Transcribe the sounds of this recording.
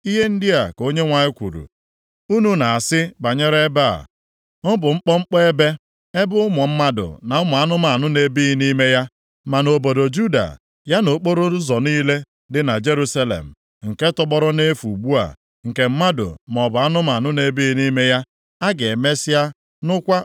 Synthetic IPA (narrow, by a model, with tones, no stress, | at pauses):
i˦ɦe˦n̩˦dɪ˦a˨ko˦ɲe˦ŋʷa˨ɲɪ˦kʷṵ˨ɾṵ˨ | u˦nu˨na˨a˨sɪ˦ba˨ɲe˦ɾe˦ba˦˨a̰˨ | m̩˦bʊ˨ŋ͡m̩˦k͡pɔ˦ŋ͡m̩˦k͡pɔ˦e˦be˦ | e˦bʊ˦ʊ˦mɔ˨m̩˦ma˦dʊ̰˨na˨ʊ˦mɔ˨a˦nʊ˦ma˨nʊ˦ne˨˦bi˦i˦ni˦me˦ja˦ | ma˨no˨bo˨do˨d͡ʒu˦da̰˨ | ja˦no˨k͡po˦ɾo˦zɔ˨niː˦le˦ | dɪ˨na˨d͡ʒe˦ɾu˦sa˦lḛ˨m̩˨ | ŋ̩˨ke˦tɔ˦ɡ͡bɔ˦ɾɔ˦ne˦fu˨ɡ͡bu˦a̰˨ | ŋ̩˨ke˨m̩˦ma˦dʊ̰˨m˨ɔ˨bʊ˨a˦nʊ˦ma˨nʊ˦ne˦bi˦i˦ni˦me˦ja˦ | a˦ɡe˨me˦sa˦ | nʊ˦kʷa˦